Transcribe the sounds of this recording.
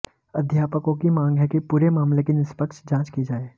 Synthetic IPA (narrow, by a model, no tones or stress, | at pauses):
ɐd̪ʱjaːpəkõkimãːŋɡɦɛkepuːɾemaːmlekinɪspəkʃd͡ʒãːt͡ʃkid͡ʒaːeː